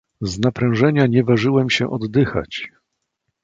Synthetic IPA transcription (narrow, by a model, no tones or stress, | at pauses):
znapɾɛ̃w̃ʐɛɲaɲɛvaʐɘwɛmɕɛʔɔd̪ːɘxa̰t͡ɕ